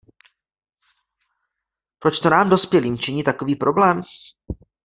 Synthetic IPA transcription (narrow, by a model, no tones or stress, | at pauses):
pɾot͡ʃt̪onaːmdo̞spjɛliːmt͡ʃɪɲiːt̪ako̞viːpɾʔo̞blɛːm